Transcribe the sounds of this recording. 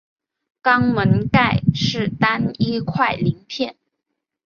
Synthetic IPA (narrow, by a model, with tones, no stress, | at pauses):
kɑ˥ŋmə˧˥nka˥˧ɪʂɻ̩˥˩t̪a˥ni˥kʰwa˥˩ɪli˧˥ŋpʰjɛ˥˩n